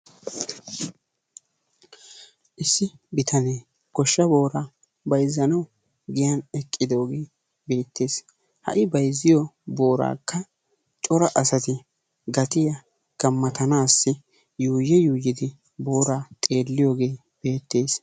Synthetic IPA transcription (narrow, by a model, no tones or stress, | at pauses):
ʔɪsːɪbɪt̪ɐne̞ː | ɡɔʃːɐbo̞ːɾaː | bɐjzːɐnɐw | ɡɪjanɛkʼːɪd̪o̞ːɡe̞ː | be̞ːt̪ːe̞ːs | hɐ̰ʔɪbɐjzːɪjɔbo̞ːɾa̰ːkʰːɐ | t͡ʃʼɔɾɐʔɐsɐt̪ɪ | ɡɐt̪ɪjɐ | ɡ̥ɐmːɐt̪ɐnaːsːɪ | juːjɛjuːjɪd̪ɪ | bo̞ːɾaːt̪ʼe̞ːlːɪjoːɡe̞ː | b̥e̞ːt̪ːe̞ːs